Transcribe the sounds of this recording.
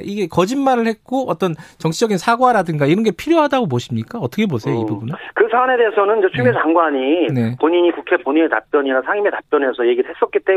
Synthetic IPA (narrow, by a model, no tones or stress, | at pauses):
iɡe̞kʌd͡ʑinmaɾɯɭhe̞t̚k͈oʌt͈ʌnt͡ɕʌŋt͡ɕʰid͡ʑʌɡinsʰaɡwaɾadɯŋɡaiɾʌnɡe̞pʰiɾjoɦadaɡoboɕʰimɲik͈aʌt͈ʌkʰebosʰe̞joiubunekɯsʰane̞deːsʰʌnɯnd͡ʑet͡ɕʰumjet͡ɕaŋɡwaɲine̞poɲiɲikukʰe̞poɲieta̰p͈jʌɲiɾasʰaŋimetap͈jʌnɦe̞sʰʌje̞ɡiɾɭɦe̞s͈ʌt̚k͈it͈e̞